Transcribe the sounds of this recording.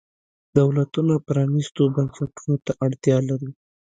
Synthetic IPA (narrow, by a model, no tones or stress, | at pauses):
d̪̥awlat̪unapɾɑnist̪obansaʈunot̪aʔaɽt̪jɑlaɾi